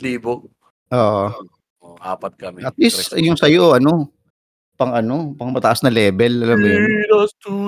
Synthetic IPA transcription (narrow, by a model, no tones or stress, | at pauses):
liːbo | ʔoːʔo | oʔa̰ːpɐt̪̚kɐmɛʔɐt̪̚lisjʊŋsɐjoʔɐno̞ | pɐŋɐno̞pɐŋmɐt̪ɐʔɐsnɐlɛːbɛlʔɐlɐmnjot̪u